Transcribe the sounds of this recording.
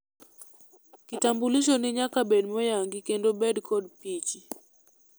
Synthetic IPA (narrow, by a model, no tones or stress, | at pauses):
kitambuliʃonɪɲakabedmɔjaŋɡikendobedkʰɔdpit͡ʃi